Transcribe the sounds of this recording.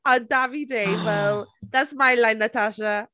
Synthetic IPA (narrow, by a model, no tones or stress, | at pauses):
əndavideɪwɛlˠðatsmaɪlãɪnətʰaʃə